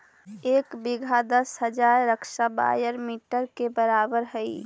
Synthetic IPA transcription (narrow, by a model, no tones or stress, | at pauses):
eːkbiɡʱad̪əsɦəd͡ʒaɾːəkʃaba̰ːjəɾmiːʈəɾkebəɾaːbəɾɦəi